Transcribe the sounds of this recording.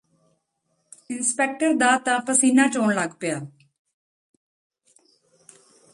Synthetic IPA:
ɪnspeːk̚ʈəɾd̪aːt̪ãːpəsiːnãːt͡ʃoːɳləɡpɪjaː

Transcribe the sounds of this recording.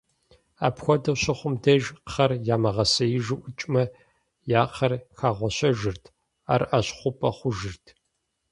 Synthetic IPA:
a̰ːpxʷɔdɐwɕɐχʷʊmdɐʒqχɐrjaːmɐʁɐsɐjɪʒɨʔʷʊt͡ʃʼmɐ | jaːqʰɐrxʰaːʁʷɔɕɐʒɨrtʰ | a̰ːrʔɐɕχʷʊpʼɐχʷʊʒɨrtʰ

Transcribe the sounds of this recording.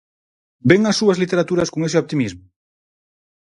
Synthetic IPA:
beŋɐsːuɐzlit̪eɾat̪uɾɐskoŋesɪɔp̚t̪imizmʊ

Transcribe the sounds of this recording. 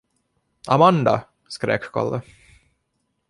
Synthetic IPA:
amand̪a̰ | skɾḛːkkʰɔ̰lːə

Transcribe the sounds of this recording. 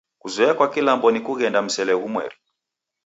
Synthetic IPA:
kuzɔɛakwakilambɔnikuɣɛndam̩sɛlɛɣumwɛ̰ɾi

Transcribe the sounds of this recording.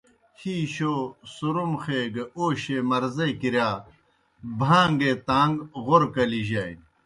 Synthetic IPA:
hiːɕoːsuɾumxeːɡɐoːɕemɐɾzekiɾjaː | bʱãːŋɡet̪aːŋɡɣoɾkɐliʑaːj

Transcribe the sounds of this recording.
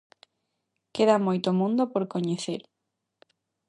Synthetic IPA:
keðamojt̪omũnd̪opoɾkoɲeθeɾ

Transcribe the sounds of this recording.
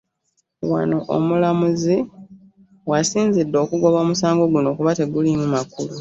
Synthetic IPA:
wa̰noʔo̰mulamuzi | wasiːnzidːo̞ːkuɡo̞βo̞ːmusaːŋɡo̞ɡuno̞ːkuβate̞ɡulimumakulu

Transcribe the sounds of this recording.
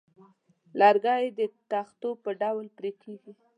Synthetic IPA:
lɑɾɡɑjed̪ət̪axt̪opəɖawlpɾekʰeɡi

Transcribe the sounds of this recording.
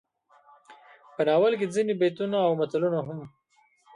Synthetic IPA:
pənɑwəlked͡zinibet̪unaːwmat̪alunaɦʊm

